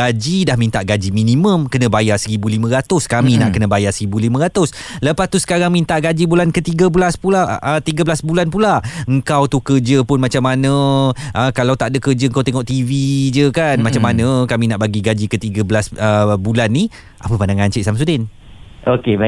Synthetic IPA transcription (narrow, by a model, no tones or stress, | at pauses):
ad͡ʒidahmint̪aʔɡad͡ʒimĩnĩmə̃mkənə̃bajasəɾibulimə̃ɾat̪ʊskamina̰ʔkənə̃bajasəɾibulimə̃ɾat̪ʊsləpast̪usə̥kaɾaŋmĩnt̪aʔɡad͡ʒibulankət̪iɡəbulaspulaət̪iɡəbəlasbulanpulaəŋkawt̪ukərd͡ʒəpʊnmat͡ʃamanə̃ʔəkalawt̪aʔdəkərd͡ʒəəŋkawt̪eŋɔʔt̪ivid͡ʒəkanmat͡ʃamːanə̃kaminaʔbaɡiɡad͡ʒikət̪iɡəblasəbulanːi | ʔapəpandaŋaɲt͡ʃɪʔsams̬udɪn | ʔokeba